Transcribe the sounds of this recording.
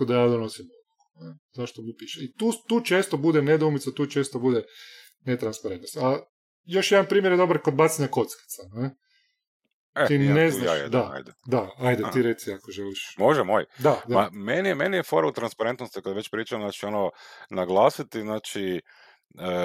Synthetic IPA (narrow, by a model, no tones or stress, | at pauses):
kod̪ajaːd̪onosimouko̥nezaʃt̪omupiʃeit̪uːt̪uːt͡ʃeːst̪obud̪ened̪oumit̪at̪uːt͡ʃeːst̪obud̪e | net̪ɾanspaɾe̞nt̪nost̪a | jo̞ʃjed̪anpɾiːmjeɾjed̪o̞baɾkod̪̚bat̪seɲako̞t̪ski̥t̪sane | et̪ineznnaʃd̪aa̰jd̪d̪aajd̪et̪iɾet̪siakoʒeliʃmoʒɛmojd̪ad̪aamenijemenijefoɾaut̪ɾanspaɾent̪nost̪ikad̪ʋet͡ʃpɾiːt͡ʃamnaːt͡ʃiononaɡlˠaːsit̪iznaːt͡ʃi | ə